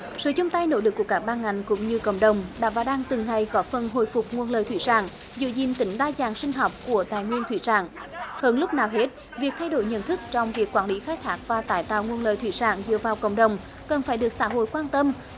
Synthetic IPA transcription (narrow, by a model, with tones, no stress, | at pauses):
sɨ̰ː˧˨t͡ɕʊ˧ŋ͡mt̪a˧jno̰˧˥ɗɨ˨˩k̚ːu˧˩əkaː˦˥k̚ɓaː˧nŋa˨˩jŋ̟kʊ̰˧˥ŋ͡mɲɨ˧kə̰˧˨wŋ͡mɗə˨˩wŋ͡mɗa̰ː˧˥vaː˨˩ɗaː˧ŋt̪ɨ˨˩ŋːa˨˩jkɔ˨˦fə˨˩nɦo̰˧˨jfʊ˨˩k͡p̚ŋu˧˩ənləː˨˩t̪ʰi˧˩sa̰ː˧˩ŋ | zɨ̰˧˨zḭ˧˨nt̪ï˨˦ŋ̟ɗaː˧zaː˨˩ŋsï˧ŋ̟ɦɔ˨˩wk͡p̚ku˧˩ət̪aː˨jŋwi˧ənt̪ʰwḭ˧˩sa̰ː˧˩ŋhəː˧nlʊ˦˥k͡p̚naː˨˩wɦe˦˥t̚ | vi˨˩ək̚t̪ʰa˧jɗo̰˧˩jɲə̰˧˨nt̪ʰɨ˦˥k̚t͡ɕɔ˧wŋ͡mvi˨˩əkːwaː˧˩nli˨˦xaː˦˥k̚t̪ʰaː˦˥k̚vaː˨˩t̪aː˧˩jt̪a̰ː˧˨wŋu˧ənlə̰ː˨˩jt̪ʰwḭ˧˩sa̰ː˧˩ŋzɨ̰˧˨əvaː˨˩wkə̰˧˨wŋ͡mɗə˨˩wŋ͡m | kə˨˩nfaː˧˩jɗɨ˨˩ək̚sa̰ː˧˥ɦo̰˧˨jkwaː˧nt̪ə˧m